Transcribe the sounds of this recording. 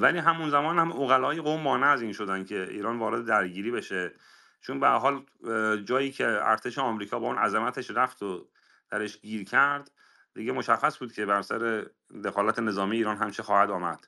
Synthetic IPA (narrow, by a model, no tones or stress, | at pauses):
væliːɦæmunzæmɒːnhæmʔoɣælɒːjeɣomːɒːneæziːnʃo̞d̪ænd̪cʰe̞ḭːɾɒːnvɒːɾe̞d̪ed̪æɾɟiːɾiːbe̞ʃe | t͡ʃʰonbehæ̰ɾɦɒːl | d͡ʒɒːjiːcʰe̞æ̰ɾt̪ʰe̞ʃeɒmɾiːkʰɒːbɒːuːnæ̰zemæt̪ʰe̞ʃɾæft̪ʰo | d̪̥æɾe̞ʃɟiːɾcʰæɾd̪ | d̪iːɟemo̞ʃæxːæsbuːd̪̥̚cʰe̞bæɾsæ̰ɾe̞ | d̪e̞xɒːlæt̪ʰene̞zɒːmijeiːɾɒːnɦæmt͡ʃʰixɒːhæd̪ɒːmæ̰d̪̥